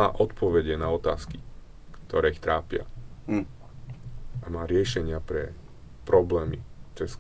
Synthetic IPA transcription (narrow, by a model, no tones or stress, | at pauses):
aːʔɔt̪pɔʋɛɟɛnaɔt̪a̰ːski | kt̪ɔɾɛːixt̪ɾaːpɪa̰ | amaːɾɪɛʃɛɲɪapɾɛ | pɾɔblɛːmit̪ɔjɛs